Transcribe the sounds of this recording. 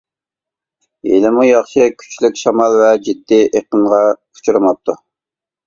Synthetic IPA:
jḛlɪmujɑχʃɪkʲʰy̥t͡ʃʰlykʲʃɑmɑlˠvɛd͡ʒid̪ːiʔeqənʁɑqʰu̥t͡ʃʰuɾɨmɑp̚t̪ʰu

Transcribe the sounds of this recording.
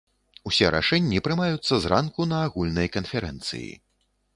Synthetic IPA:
usʲɛɾa̰ʂɛnʲːipɾɨmajut̪sːɐzrankunɐːɣulʲnɐjkɐnfʲɛɾɛnt̪sɨ̰jḭ

